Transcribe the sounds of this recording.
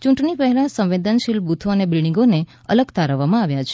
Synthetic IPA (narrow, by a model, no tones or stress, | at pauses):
t͡ʃũɳʈɳipəɦɛlãsə̃mʋed̪ənʃilbut̪ʰoənebɾiɽ̃ĩŋɡone | ə̰ləɡt̪aɾəʋːamãaʋjat͡ʃʰe̥